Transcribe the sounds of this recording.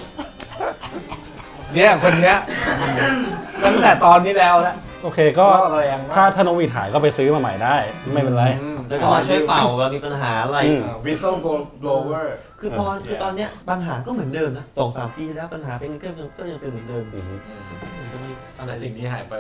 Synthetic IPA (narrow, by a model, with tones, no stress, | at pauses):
ni˦˥ɐkʰo˧nːi˦˥ɐ˧ | lɛ˥˩t̪ʰt̪ɛː˨˩t̪ɔː˧nːiː˦˥lɛː˦˥wnɛ˦˥ | ʔoː˧kʰeː˧kɔː˥˩˧lɛː˧ŋʰaː˥˩t̪ʰaː˥˩noː˦˥wi˦˨˩t̪̚ɦaː˨˩˦jkɔː˥˩pa˧jsɯː˦˥maː˧ma˨˩jdaː˥˩jma˥˩jpe˧nɾa˧ja˧ɔ˥˩maː˧t͡ɕʰu˥˩˨jpa˨˩wɛ˦˥miː˧pa˧nɦaː˩˦ʔa˧ɾa˧jɯː˧m˧wi˦˥so˥˩wɡo˧loː˧wɤː˥˩ | kʰɯː˧t̪ɔː˧nkɯː˧t̪ɔː˧nːi˦˥ɐpa˧nɦaː˨˩˦kɔː˥˩mɯ˩˦ndɤː˧mna˦˥sɔː˩˦ŋsaː˨˩˦mpiː˧lɛː˦˥˩pa˧nɦaː˩˦pi˧kʰkɔː˥˩ja˧ŋpe˧nmɯː˩˦dɤː˧mɯ˧˩˧ | a˧a˨˧si˨˩ŋtʰiː˥˩ɦaː˩˦jpa˧j